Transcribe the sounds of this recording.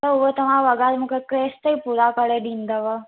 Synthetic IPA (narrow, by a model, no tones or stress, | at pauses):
t̪əʊʋət̪ɐʋ̤ãʋəɡad̪mũkekɾeːst̪əipuɾakəɭeɗĩːnd̪əʋə